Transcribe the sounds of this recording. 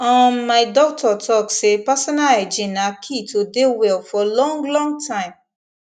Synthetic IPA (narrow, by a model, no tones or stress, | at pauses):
ɔ̃ɔ̃maɪdɔk̚tʰɔtʰɔksepasɔnalɛd͡ʒĩnãkʰitʰodewɛlfɔlɔ̃ŋɡlɔ̃ŋɡtʰãɪ̃m